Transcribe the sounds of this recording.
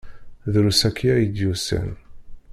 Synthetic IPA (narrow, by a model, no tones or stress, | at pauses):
ðɾusækʰːijæjid̪jusæ̰n